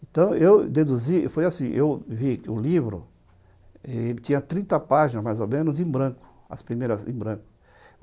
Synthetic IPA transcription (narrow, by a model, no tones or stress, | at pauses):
ẽnt̪ɐ̃w̃ewd̪ed̪uzifojasĩʔewvikɪʊlivɾʊ̰ | ɛelɪt͡ʃ̪ĩɲɐt̪ɾĩnt̪ɐpaʒinɐmajzomẽnʊzẽbɾɐ̃kʊ̥ | ɐ̰spɾimejɾɐzḛ̃bɾɐ̃ŋkʊ̥